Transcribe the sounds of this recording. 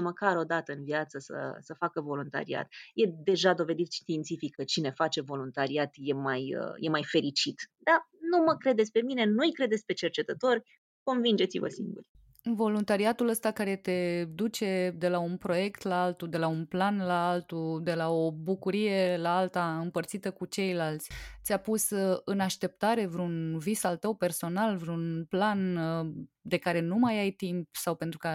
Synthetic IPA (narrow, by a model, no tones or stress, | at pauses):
məkaɾo̞d̪at̪əɨnviat̪səsə̰səfakəvo̞lunt̪a̰ɾḭa̰t̪je̞d̪e̞ʒad̪o̞ve̞d̪it̪ʃt̪int̪sifikʰːət͡ʃine̞fat͡ʃe̞vo̞lunt̪aɾiat̪je̞majə̰je̞majfe̞ɾit͡ʃit̪d̪̥anuməkɾe̞d̪et̪sʲpe̞mine̞nujkɾe̞d̪et̪sʲpe̞t͡ʃe̞rt͡ʃe̞t̪ət̪o̞rʲ | ko̞nvind͡ʒe̞t̪sivə̰sḭŋɡṵrʲ | vo̞lunt̪aɾiat̪uləst̪akaɾe̞t̪e̞d̪ut͡ʃe̞d̪e̞launpɾo̞je̞kt̪laalt̪ud̪e̞launplanlaalt̪ud̪e̞lao̞bukuɾije̞laalt̪aɨmpərt̪sit̪əkut͡ʃe̞jlalt̪sʲt̪sʲapusɨnaʃt̪e̞p̚t̪aɾe̞vɾunvisalt̪əwpe̞rso̞nalvɾeunplan | d̪e̞kaɾe̞numajajt̪impsawpent̪ɾuka